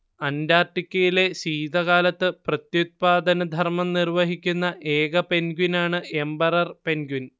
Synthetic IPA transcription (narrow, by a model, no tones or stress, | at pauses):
ɐndaːrʈːikʲːɐjile̞siːd̪ɐɣaːlɐt̪ːɨprɐt̪jut̪̚paːd̪ɐnɐd̪ʱɐrmɐmnirʋɐɦikʲːunːɐʔe̞ːɡɐpe̞nɡunaːɳɨe̞mbɐrɐrpe̞nɡun